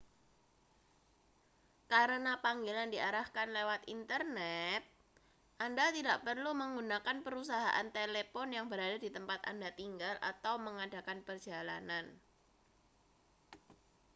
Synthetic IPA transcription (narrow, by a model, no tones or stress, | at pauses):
kaɾənapaŋɡelandiaɾahkanlewat̪int̪ərnɛt̪̚ | ʔandat̪idaʔpərluməŋɡunakanpəɾusaɦa̰ʔa̰nt̪elepɔnjaŋbəɾadadit̪əmpat̪a̰ndat̪iŋɡalʔa̰t̪awməŋada̤kanpərd̥ʒ̥ala̰nan